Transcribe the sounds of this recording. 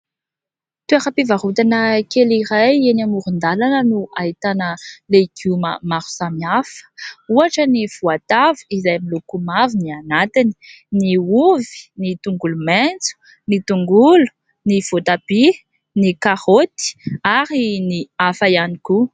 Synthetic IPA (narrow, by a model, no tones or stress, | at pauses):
t̪ueɾapivaɾut̪anəkeliɾajenamuɾund̪alanənuʔait̪anəlekumə̰maɾu̥samiafə̥uaʈ͡ʂəniv̥uat̪avuizajmilukumavinianat̪ini̥ | niuvi̥nit̪uŋɡulument͡su̥ | nit̪uŋɡulu̥ | niv̥ot̪abi | nikaɾot̪i̥aɾiniafajaniku